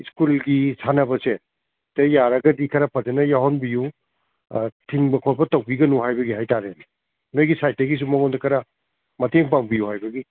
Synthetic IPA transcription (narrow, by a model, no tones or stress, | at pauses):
iskulɡisʰanɐbɐse | tejaɾɐɡɐdikʰɐɾapʰɐd͡ʒenɐjaɦɔnbiju | tʰiŋbɐkʰɔɾbɐtɐwbiɡɐnuɦajbɐɡiɦajtaɾe | nojɡisajteɡis̬umɐŋondɐkʰɐɾa | mɐteŋpaŋbijuhajbɐɡi